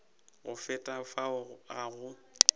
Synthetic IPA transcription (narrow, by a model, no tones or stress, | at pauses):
ɣʊfɛtʼafaɣaɣʊ